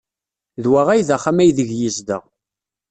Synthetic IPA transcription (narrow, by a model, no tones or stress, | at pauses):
ðwaʁæjðæχæmæjðəʝjizd̪ə̰ʁ